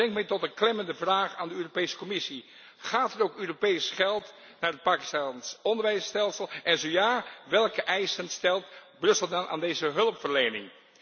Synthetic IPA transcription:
ɛŋkmɛtɔtənklɛməndəvraːχaːndəøːropejsə̥kɔmɪsi | χaːtɛrowkøːropejsχɛlˠt | naːɹət̚paːki̥stansɔndəɹʋɛjstɛlˠsəlˠʔɛnzojaːʋɛlˠkəʔɛjsənstɛlˠtbrɵsəlˠdɑnʔa̰ːndejzəɦɵləpfəɹlejnɪ̰ŋ

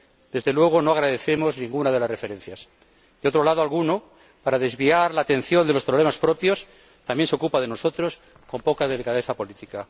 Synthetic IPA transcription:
d̪̥e̞zðelwe̞ɣ̞o̞no̞aɣɾaðe̞θe̞mo̞znĩŋɡunaðe̞lasre̞fe̞ɾẽ̞n̟θjas | d̪̥eo̞t̪ɾo̞lað̞oalɣuno̞ | paɾaðe̞zβiaɾlaːt̪ẽ̞n̟θjo̞nd̪e̞lo̞spɾo̞βle̞maspɾo̞pjo̞s | t̪ambjnseo̞kupað̞e̞no̞so̞t̪ɾo̞s | ko̞mpo̞kaðe̞likaðe̞θapo̞lit̪ika

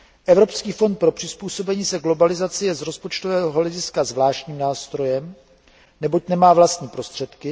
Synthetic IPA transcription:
ʔɛvɾo̞pskiːfo̞nt̪̚pɾo̞pr̥ɪspuːso̞bɛɲiːsɛɡlo̞balɪzat͡sɪjɛzɾo̞spot͡ʃt̪ovɛːɦo̞lɛɟɪskazvlaːʃcɲiːmnaːst̪ɾo̞jɛm | nɛbo̞cnɛmaːvlast̪ɲiːpɾo̞st̪r̥ɛt̪kɪ

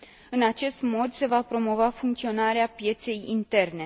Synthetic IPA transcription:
ɨnat͡ʃe̞st̪mo̞d̪se̞vapɾo̞mo̞vafuŋkt̪sio̞naɾeapje̞t̪se̞jḭnt̪e̞rne̞

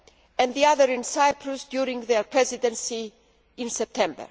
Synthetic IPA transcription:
ɛ̃ndðiaðəɹĩnsajpʰɹusd̪juɾĩŋɡðɛɹpʰɹɛzidɛ̃nsi | ɪ̃nsɛp̚t̪ʰɛ̃mbə̰ɹ

